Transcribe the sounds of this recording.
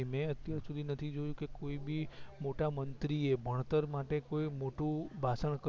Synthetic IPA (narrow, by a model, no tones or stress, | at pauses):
mẽət̪jaɾsud̪ʱinət̪ʰid͡ʒojũkekoibimoʈamənt̪ɾiebʱəɳ̃t̪əɾmaʈekoimoʈũbʱasəɳk